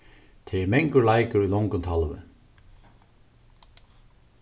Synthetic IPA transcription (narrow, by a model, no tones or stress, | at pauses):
t̪ʰɪmɛŋkəɹlajkəɾujlɔŋkʊnt̪ʰalvɪ̰